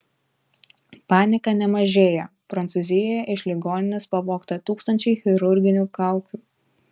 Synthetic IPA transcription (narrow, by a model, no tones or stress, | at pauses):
pɑːnʲɪkɐnʲɛmɐʒʲeːjɛpɾɐnt̪sʊzʲɪjojɛʔɪʃlʲɪɡoːnʲɪnʲɪspɐʋoːkt̪ɐt̪uːkst̪ɐnʲt͡ʃʲɛɪxʲɪɾʊɾʲɡʲɪnʲuːkɑˑʊkʲuː